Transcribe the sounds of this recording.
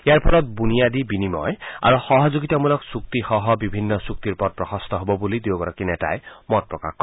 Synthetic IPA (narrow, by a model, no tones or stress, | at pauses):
ejaɹpʰɔɾɔt̪̚bunijad̪ibinimɔ̰ja̰ɹuxɔɦɔzuɡit̪ɔmulɔksuk̚t̪ixɔɦɔbibʱinːɔsuk̚t̪iɹpɔt̚pɹɔxʰɔst̪ɔɦobɔbulid̪ioɡɔɹɔkinɛta̰jmɔt̚pɹɔka̰xkɔ